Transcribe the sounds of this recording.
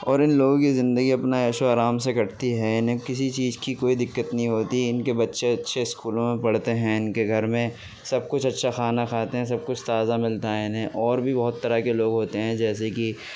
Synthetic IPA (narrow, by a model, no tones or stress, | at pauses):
ɔːɾɪnloːɡõkizɪ̃nd̪əɡiɐpnaeːʃoaːɾaːmsekɐʈt̪iɦɛɪnɦẽkɪs̬it͡ʃiːzkikoːid̪ɪkːət̪nɐɦĩɦoːt̪iɪnkebɐtːʃeɐtːʃʰeɪskuːlõmẽpɐɽ̤t̪eɦɛ̃ɪnkeɡʱɐɾmẽ | sɐb̚kʊt͡ʃʰɐtːʃʰaxaːnakʰaːt̪eɦɛ̃s̬ɐb̚kʊt͡ʃʰt̪aːzamɪlt̪aɛɪnɛ̃ʔɔːɾbʱibɐɦʊt̪ːɐɾakeloːɡɦoːt̪eɦɛ̃d͡ʒɛːs̬eki